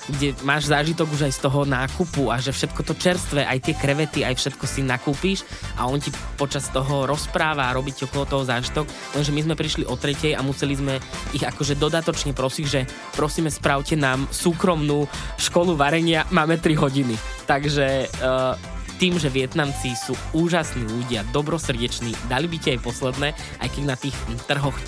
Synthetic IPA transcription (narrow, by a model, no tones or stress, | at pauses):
ɡɟɛmaːʒzaːʒit̪ɔɡuʒajst̪ɔɦɔnaːkupuaʒɛfʃɛt̪kɔt̪ɔt͡ʃɛɾst̪ʋɛʔajt̪ɪɛkɾɛʋɛt̪iajfʃɛt̪kɔsinakuːpiːʃa̰ɔncipɔt͡ʃast̪ɔɦɔɾɔspɾaːʋaːɾɔbicːɔkɔlˠɔt̪ɔɦɔzaːʒit̪ɔk | lɛnʒɛmizmɛpɾiʃliʔɔt̪ɾɛcɛja̰musɛlizmɛiɣakɔʒɛd̪ɔd̪at̪ɔt͡ʃɲɛpɾɔsiːʒɛ | pɾɔsiːmɛspɾaʊcɛnaːmsuːkɾɔmnuːʃkɔluʋaɾɛɲɪamaːmɛt̪ɾiɦɔɟinit̪aɡʒɛ | t̪iːmʒɛʋɪɛt̪namt͡sisuːuːʒasniːʎuɟɪad̪ɔbɾɔsr̩ɟɛt͡ʃniːd̪alibicɛajpɔslɛd̪nɛː | ʔa̰jkɛɟnat̪iːxt̪r̩ɦɔx